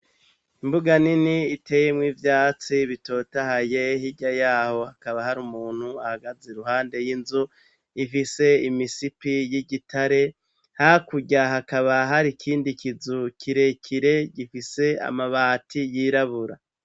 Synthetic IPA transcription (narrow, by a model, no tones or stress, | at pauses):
imbuɡaniniːtʰe̞ːjemŋiːvjaːt͡siβito̞ːtahajehiɟajaːho̞hakaβahaɾumuːn̥huahaɡazeɾuɦhaːnde̞jinzu | ifise̞imisipijiɟitʰaɾe̞ | hakuɟaɦakaβaɦaɾikʰiːndikizukʰiɾe̞kʰiɾe̞ɟifise̞a̰maβaːtʰijiɾaβuɾa